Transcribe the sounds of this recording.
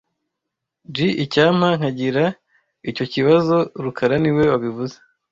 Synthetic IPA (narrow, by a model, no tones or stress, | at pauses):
d͡ʒiʔicaːm̥haŋ̥haɟiɾa | ico̞ciβazo̞ɾukʰaɾaniwe̞waβivuze